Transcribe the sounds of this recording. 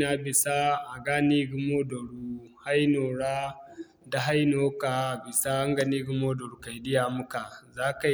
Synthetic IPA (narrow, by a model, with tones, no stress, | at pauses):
na˨bɪ˨sa˦ʔa˨ɡaː˦niː˦ɡʊ˦moː˦dɔ˨ɽu˦ha˦jnoː˨ɽaː˦ | da˨ɦa˦jnoː˦ka˨bɪ˨sa˦ʔa˦ŋɡɐ˨niː˦ɡʊ˦moː˦dɔ˨ɾu˨ka˨jdɪ˦jaː˨mʊ˦ka˨ʔzaː˦ka˨